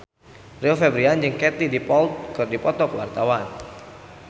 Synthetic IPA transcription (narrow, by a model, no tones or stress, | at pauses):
riɔfɛbɾiand͡ʒɨŋkɛt̪idipɔlt̪̚kɨrdipɔt̪ɔkəwa̰rt̪awan